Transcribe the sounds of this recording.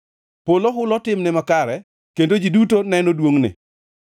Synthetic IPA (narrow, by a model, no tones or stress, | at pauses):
poloɦʊlɔtɪmnɪmakaɾɛ | kendod͡ʒidutonɛnodwoŋnɪ̰